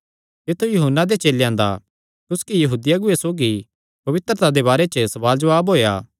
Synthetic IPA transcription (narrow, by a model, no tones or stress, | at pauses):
t̪ɪt̪ʰːujʊɦənːad̪et͡ʃeːljãːnd̪a̰ | t̪ʊskijɐɦuːd̪ɪjaɡʊesoːɡi | pɐʋɪt̪ɾət̪ad̪ebaːɾet͡ʃəsɐʋaːld͡ʒɐʋaːbɦoːja̰ː